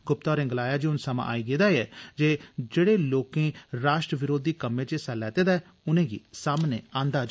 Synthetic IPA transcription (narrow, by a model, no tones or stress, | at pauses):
ɡʊp̚t̪aːɔːɾɪ̃ŋɡlaːjaːd͡ʒiːʊnsəmã̰ːʔa̰ːiːɡeːd̪aːiːɛːd͡ʒeːd͡ʒeːɽeːloːkẽːɾaːʃʈɾəʋɪɾoːd̪iːkəmẽːt͡ʃesɛlɛːt̪eːd̪aːɛː | ʊnẽːɡḭːsaːmnḛːãːnd̪aːd͡ʒ